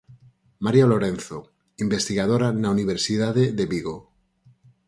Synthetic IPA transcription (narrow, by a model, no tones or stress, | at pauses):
maɾjaloɾen̟θo | imbest̪iɣaðoɾanauniβ̞eɾsiðaðeðeβiɣo